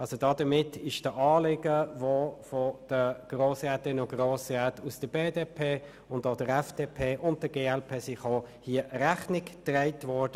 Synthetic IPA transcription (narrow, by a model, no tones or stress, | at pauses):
ɑlsodɑːdəmɪtɪʃd̥əʔɑːlɪɡəvofɔd̥əɡ̥roːsɛtɪnoɡroːsʁɛtusd̥əbeːdeːpʰeː | ʊndodəɾɛfd̥eːpʰeːʔʊnd̚d̥əɡeːɛlpʰeːsiχoːhiəʔəɾæχnɪkd̥raɪtvɔɹd̥ə